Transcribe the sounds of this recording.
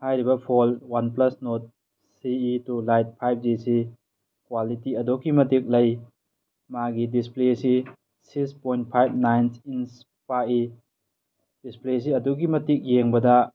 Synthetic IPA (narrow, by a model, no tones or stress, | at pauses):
hajɾibɐpʰɔlwanplɐsnot̚ | siitulajt̚pʰajb̚zisi | kwalitiɐdokːimɐtik̚lɐj | maɡidisplesi | sikspojnt̚pʰajb̚najnsins | pai | d̥isples̬iɐdukimɐtik̚jeŋbɐdɐ